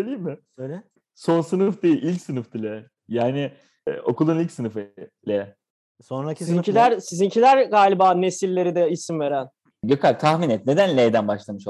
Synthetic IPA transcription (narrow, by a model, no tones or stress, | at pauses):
ølʲijimːɪ | øjlʲɛ | so̞nsɯnɯfd̪ejiʔilʲcsɯnɯfd̪ilʲɛ | jaːnɪ | o̞̰kʰulˠunilʲcsɯnɯfɯlʲɛ | sonɾaszcʰilʲæɾsizincʰilʲæɾɡaːlʲibaːne̞silʲːe̞ɾid̪ɛisimve̞ɾæn | jokʰalt̪ʰahminɛt̪̚ne̞d̪ænlʲejd̪ænbaʃlˠamɯʃo